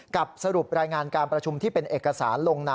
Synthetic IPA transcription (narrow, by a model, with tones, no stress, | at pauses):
ka˨˩p̚sa˧ɾu˨˩p̚ɾaː˧jŋaː˧nkaː˧npɾa˧t͡ɕʰu˧mt̪ʰiː˥˩pe˧nʔeː˨˩kːa˧saː˩˦nloː˧ŋnaː˧